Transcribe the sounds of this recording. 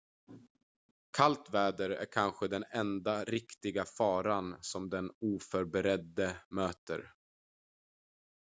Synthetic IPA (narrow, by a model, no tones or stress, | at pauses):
kʰalt̪vɛːd̪əɾæ̰ɾkʰanɧəd̪ɛnɛnd̪aɾɪkt̪ɪɡafɑːɾansɔmd̪ɛnuːfœɾbɛɾɛd̪ːəmøːt̪ə̰ɾ